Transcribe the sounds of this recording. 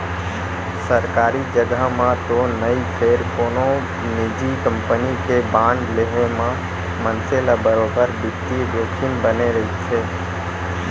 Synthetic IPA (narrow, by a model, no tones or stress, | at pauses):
səɾkaːɾid͡ʒəɡəɦmãt̪onəjpʰeɾkoːno | nid͡ʒikəmpənikebãɳɖleɦemã | mənselabəɾobəɾbikt̪ibokʰɪnbəneɾəɪt̪t͡ʃʰɛ